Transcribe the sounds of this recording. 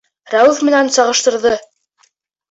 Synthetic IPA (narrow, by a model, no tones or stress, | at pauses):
ɾæwʉðmɘ̆nænsɑʁɤ̆ʃt̪ɤ̆ɾðɤ